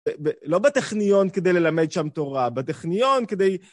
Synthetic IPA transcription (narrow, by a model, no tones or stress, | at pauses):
belo̞bet̪eχnijo̞nked̪ejle̞lame̞d̪ʃamt̪o̞ʁabet̪eχnijo̞nked̪ej